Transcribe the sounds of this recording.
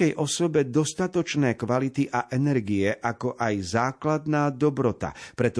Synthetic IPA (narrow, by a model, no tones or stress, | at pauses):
ɛjʔɔsɔbɛd̪ɔst̪at̪ɔt͡ʃnɛːkʋalit̪iʔaʔɛnɛɾɡiɛʔakɔʔajzaːklad̪naːd̪ɔbɾɔt̪a̰pɾɛt̪ɔ